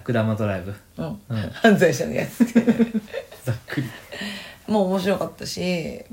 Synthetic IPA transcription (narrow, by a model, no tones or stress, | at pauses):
kːɯ̟d̪amat̪oɾaibɯ̟ | ɯ̃ɴ̃hãnzaiɕad̪ḛja̰t͡sɨ̥t̪ʰe | zakːɯɾʲi | moːomo̞ɕ̬iɾo̞kat̪ːaɕi